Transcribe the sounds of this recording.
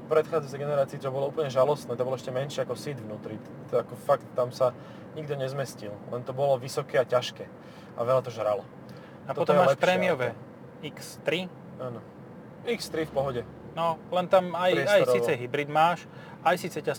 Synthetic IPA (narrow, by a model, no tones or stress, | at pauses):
pɾɛt̪xaːd͡zat͡sɛjɡɛnɛɾaːt͡siːt͡ʃɔbɔlɔuːpl̩ɲɛʒalɔst̪nɛːt̪ɔbɔlɔɛʃcɛmɛnʃɪɛakɔsid̪ʋnuːt̪ɾi | akɔfakt̪ːamsa | ɲiɡd̪ɔɲɛzmɛscillɛnt̪ɔbɔlɔʋisɔkɛːacaʃkɛː | ʔa̰ʋɛʎat̪ɔʒɾalɔ | ap̪ɔt̪ɔmmːaːlʃɛppɾɛːmiɪɔʋɛ | ikst̪ɾi | aːnɔ | ikst̪ɾifpɔɦɔɟɛ | nɔlɛnt̪amajajɾsiːt͡sɛɦibɾid̪maːʃ | ajsiːt͡sɛca